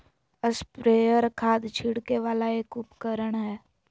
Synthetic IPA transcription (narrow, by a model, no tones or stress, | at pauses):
əspɾeːjəɾkʰaːd̪t͡ʃʰɪɽkeʋaːlaeːkʊpkəɾəɽ̃ɦɛː